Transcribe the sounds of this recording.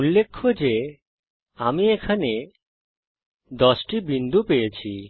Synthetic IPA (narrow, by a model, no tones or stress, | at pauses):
ulːekʰːod͡ʑe | amiekʰane | d̪ɔsʈibind̪ʱupejet͡ɕʰi